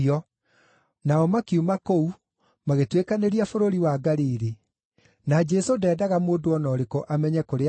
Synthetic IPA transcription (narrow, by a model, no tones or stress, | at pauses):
ɔ | naɔmakiumakou | maɣetwekaneɾiafoɾoɾiwaɡaɾiɾe | nad͡ʒɛsodɛːdaɣamoːdoɔnɔːɾekoʔamɛɲɛkoɾe